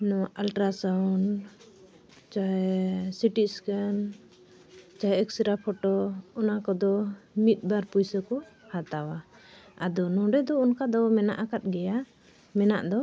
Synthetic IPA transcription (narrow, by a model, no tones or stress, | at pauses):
nɔalʈɾasawn | t͡ʃaɛsiʈiskan | t͡ʃɔɛksiɾapʰɔʈɔɔnakɔd̪ɔmit̪̚ˀbaɾpujsəkɔhat̪awa | ad̪ɔnɔ̃ɖɛd̪ɔunkad̪ɔmɛna̰ʔakat̪̚ˀɡɛja | mɛna̰ʔd̪ɔ